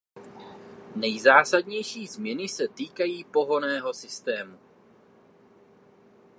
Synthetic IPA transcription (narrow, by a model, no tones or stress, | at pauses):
nɛjzaːsadɲɛjʃiːzmɲɛnɪsɛt̪iːkajiːpo̞ɦo̞nɛːɦo̞sɪst̪ɛːmu